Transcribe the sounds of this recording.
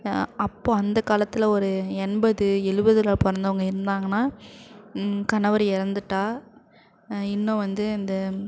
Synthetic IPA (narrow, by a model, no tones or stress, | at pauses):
ɐpːoːɐnd̪ɐkaːlɐt̪ːɪlɐɔɾɯɛɳbɐðɯɛlɯbɐðɯlaːpɔɾɐnd̪ɐʋɐŋɡɐɪɾɯnd̪aːŋɡɐnːaː | kɐnɐʋɐɾɪɾɐnd̪ɯʈːaː | ɪnːõʋɐnd̪ɯɪnd̪ɐ